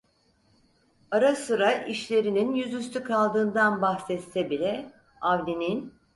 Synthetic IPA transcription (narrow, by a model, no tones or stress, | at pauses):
aɾasɯɾaʔiʃlʲe̞ɾininjyzyst̪ʰykʰalˠd̪ɯːnd̪anbaxsɛt̪sɛbilʲɛ | avlʲinin